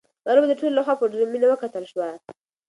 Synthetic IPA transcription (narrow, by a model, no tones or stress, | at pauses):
baɾobad̪əʈololaxwapəɾɖɾeminawəkat̪əlʃwa